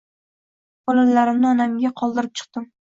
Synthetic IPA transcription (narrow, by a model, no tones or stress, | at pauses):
b̥ɒlalaɾɪmnɪɒnamɡʲaqʰɒlˠd̪ɪɾɪp̚t͡ʃʰɨ̥q̚t̪ɪm